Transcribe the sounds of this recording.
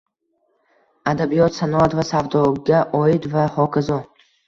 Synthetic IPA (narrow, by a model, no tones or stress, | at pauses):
ad̪abijɔt̪sanɔat̪vasavd̪ɒɡʲaʔɒid̪vahɒkʰazɒ